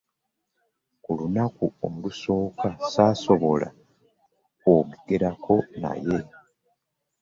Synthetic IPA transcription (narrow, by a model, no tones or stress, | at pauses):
kulunakuomuluso̞ːkasaːso̞βo̞la̰ | kwoːɡɡeɾakʰo̞na̰je̞